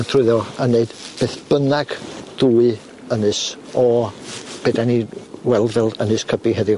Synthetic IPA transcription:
nθʰrʊɨðɔəneɨd̥b̥eːθb̥ənaɡ̥d̥uːɨ | ənɨs | ɔ | b̥ɛdaniwɛlˠðɛlˠənɨskʰəbiɦɛðɨ

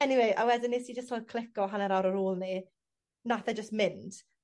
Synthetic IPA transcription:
ɛniweja̰wɛdɪnːɪsid͡ʒəstʰɔd̚kʰl̥ɪkɔɦanɛɾaɾəɾoːlˠni | naθɛd͡ʒəstmɪnd̥

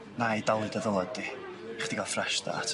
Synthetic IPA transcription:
najdalˠɨdaðəlˠɔd̚diχd̥iɡalˠfrɛʃda̰tʰ

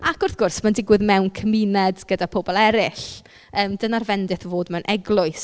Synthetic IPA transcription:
akʊrθɡ̥ʊrsmandɪɡwɪðmɛwnkʰəminɛdɡ̥ədapʰobɔlˠɛɾɪɬ | əːmdənarvɛndɪθvoːdmɛwnʔɛɡlˠʊɨs

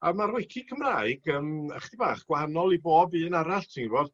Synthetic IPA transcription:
amarwɪkʰɪkʰəmraːɨɡəːməχdibaːχɡ̥wahanɔlˠiboːbɨːnaɾaɬtʰiŋrwɔð

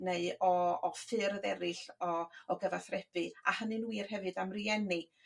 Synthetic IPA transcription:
neɨɔɔfɨrðɛɾɪɬɔɔɡəvaθrɛb̥ɨahənɨnwːir̥hɛvɨdamriɛni

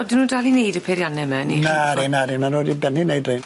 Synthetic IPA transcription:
ɔdɪnuːdalˠinejdəpʰeɾjanɛmɛninaɾinaɾinanodibɛninejdren

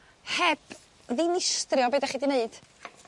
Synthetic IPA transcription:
hɛb | ðinɪstrɪɔbedaχiːdineɨd̥

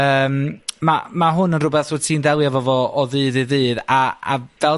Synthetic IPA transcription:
əːmmamaɦʊnənrʊbɛθvotʰiːndɛlˠjavɔvɔʔɔðɨːðɨðɨːðaa̰vɛ

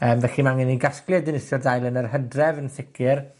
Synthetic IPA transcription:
əːmvɛximanəniɡasklɪdɪnɪsjɔrdajlˠənərɦədrɛvənθɪkʰɪr

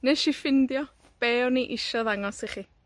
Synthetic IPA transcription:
nɛʃifɪndjɔ | b̥eːwniʔɪʃɔðaŋɔsiχi

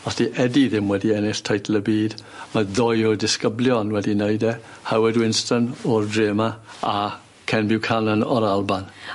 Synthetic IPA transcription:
ɔsiʔɛdiðɪmwɛdiɛnɪɬtʰajtʰlˠəbiːdmaðɔjɔdɪskəblˠjɔnwɛdineɨdɛ | hawɛdwɪnstənɔrdreːmaa | kʰɛnbɪwkʰanənɔɾalˠban

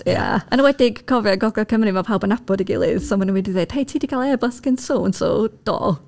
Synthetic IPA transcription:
a̰ənəwɛdɪɡ̥kʰɔvjɔɡɔɡakʰəmɾimapʰawbənabɔdiɡɪ̰lˠɨ̰ð̥sɔmanəwɛdiðeːd̥hejtʰiːdiɡʰalˠɛbəskɪnsoːnso̰d̥ɔ̰ː

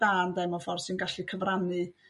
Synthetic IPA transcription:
d̥aːndɛmɔfɔrsɨnɡaɬikʰəvranɨ

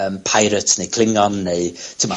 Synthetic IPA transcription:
əmpʰajɾətnejkʰl̥ˠɪŋɔnːeɨtʰəma

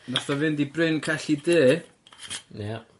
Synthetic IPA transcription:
naθɔvɨndibrɪnkʰaɬideː | na

